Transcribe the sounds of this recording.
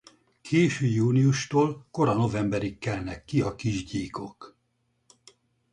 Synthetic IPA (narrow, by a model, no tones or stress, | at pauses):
kʰeːʃøːjuːnijuʃt̪oːlko̞ɾɒno̞vɛmbɛɾikːɛlnɛkːiɒkiʒɟiːko̞k